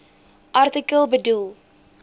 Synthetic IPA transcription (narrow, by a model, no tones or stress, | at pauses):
ʔɐrtikəlˠbədulˠ